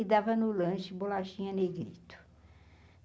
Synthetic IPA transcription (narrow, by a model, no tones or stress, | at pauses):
d̪avɐnʊlɐ̃ʃɪbolaʃĩɲɐneɡɾit̪ʊ̥